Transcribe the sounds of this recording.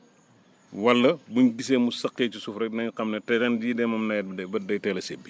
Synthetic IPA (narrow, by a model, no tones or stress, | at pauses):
wɐlːɐbuɲɡiseːmusɐkːeːt͡ʃisufɾɛdnɐɲqɐmnɐtɛdɐndidɛmɐmnɐj̚ɐbɐdɐjtɛːlɐsebːi